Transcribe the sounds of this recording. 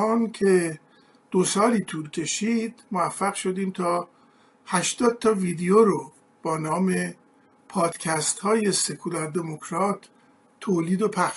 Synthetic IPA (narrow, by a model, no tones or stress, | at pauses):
ɒːnkʰe̞ | d̪̥osɒːliːt̪ʰuːɾcʰe̞ʃiːd̪̥movæfːæɣʃo̞d̪iːmt̪ʰɒː | hæʃt̪ɒːd̪̥̚t̪ʰɒːviːd̪ejoɾo | b̥ɒːnɒːme̞ | pʰɒːd̪̥cʰæst̪hɒːje̞se̞kʰulæɾd̪e̞mokʰɾɒːt̪ʰː | oːliːd̪opʰæxʃ